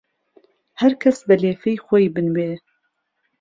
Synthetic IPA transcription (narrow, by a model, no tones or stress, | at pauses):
hɐɾkʰɐsbɨleːfɛjxʷɔjbɨnweː